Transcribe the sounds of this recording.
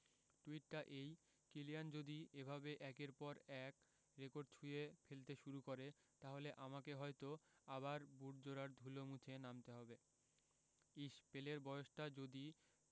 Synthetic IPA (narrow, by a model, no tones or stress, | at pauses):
ʈuiʈʈaʔej | kilijand͡ʑod̪iebʱabeʔɛkeɾpɔɾɛk | ɾekoɾɖ̚t͡ɕʰujefelt̪eʃuɾukoɾe | t̪aɦoleʔamakeɦɔjt̪oabaɾbuɾd͡ʑoɾaɾd̪ʱulomut͡ɕʰenamt̪eɦɔbe | iʃpeleɾbɔoʃʈad͡ʑod̪i